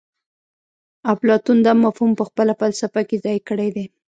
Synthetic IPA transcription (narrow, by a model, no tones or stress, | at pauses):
ablɑt̪und̪amːafhumpəxpəlafalsafakezɑjkəɽed̪e